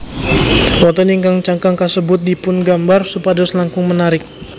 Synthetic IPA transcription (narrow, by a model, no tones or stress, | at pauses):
wɔt̪ɔniŋkaŋt͡ʃaŋkaŋkasəbʊt̪̚dipʊnɡambarsupadɔslaŋkʊŋmənaɾɪk̚